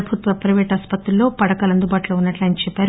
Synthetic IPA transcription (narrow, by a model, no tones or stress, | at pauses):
ɐbʱut̪ʋɐpɾɐʋɛːʈaːspɐt̪ɾulːo̞ːpɐɽɐkɐːlɐnd̪ubaːʈuloːunːɐʈlɐnt͡ʃɛpːaːɾu